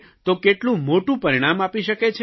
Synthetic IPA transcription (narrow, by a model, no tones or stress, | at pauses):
t̪okeʈlũmoʈũpəɾiɽ̃amapiʃəket͡ʃʰ